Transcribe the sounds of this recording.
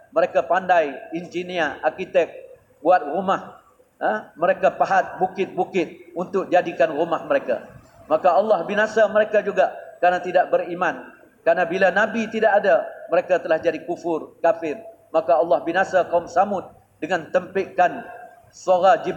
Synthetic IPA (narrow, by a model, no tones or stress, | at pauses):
məɾekapandajind͡ʒiniəarkit̪ɛk̚ | buat̪̚rumah | aməɾekapaɦat̪̚bukɪt̪̚bukɪt̪̚unt̪ʊk̚d͡ʒadikanrumahməɾeka̰ | makaɑlːɑhbinasaməɾekad͡ʒuɡakəɾanat̪idaʔbəɾiman | kəɾanabilanabit̪idaʔadaməɾekat̪əlahd͡ʒadikufʊrkafɪr | makaɑlːɑhbinasakaumsamʊt̪̚ | dəŋãnt̪əmpiʔkan | suaɾad͡ʒi